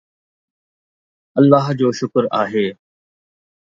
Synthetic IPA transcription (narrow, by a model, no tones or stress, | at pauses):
ɐlːaːɦd͡ʑoːʃʊkɾaːɦeː